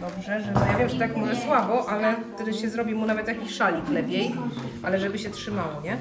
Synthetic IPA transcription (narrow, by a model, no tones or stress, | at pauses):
d̪ɔbʐɛʐɛzɔjavʲjɛmʂt̪akmɔʐɛswabɔʔalɛt̪ɛd̪ɘɕɛzɾɔbʲimunavɛt̪jakʲiɕʂalʲiklɛpʲjejʔalɛʐɛbɘɕɛtʂɘmawɔɲɛ